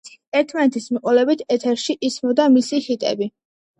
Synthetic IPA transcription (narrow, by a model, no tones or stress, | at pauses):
ɛɾt̪ʰmanɛt̪ʰismiqʼɔlɛbit̪ʰɛt̪ʰɛɾʃiʔismɔd̪amisihit̪ʼɛ̰bi